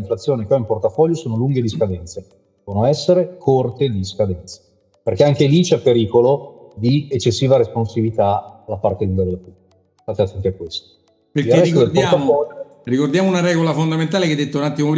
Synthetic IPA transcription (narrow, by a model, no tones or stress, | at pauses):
iɱflat̪sːjoːnikeaimport̪afɔʎːosoːnoluŋɡed̪iskad̪ɛnt̪se | onoɛsːeɾekʰort̪ed̪iskad̪ɛnt̪se̥ | perkeaŋk̟elit͡ʃɛpːeɾiːkolod̪iet͡ʃːesːiːvaɾesponsibit̪alapart̪end̪ed̪elepublikest̪aːt̪eat̪ːɛnt̪iakːwest̪o̥ | pekilrrɛst̪od̪elp̪orat̪ːafɔʎːo | rikord̪jaːmounaɾɛɡolafond̪ament̪aːleked̪et̪ːaunat̪ːimop